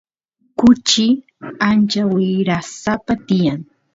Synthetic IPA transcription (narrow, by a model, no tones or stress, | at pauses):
kʊt͡ʃɪ | ant͡ʃawɪɾasapat̪ɪjaŋ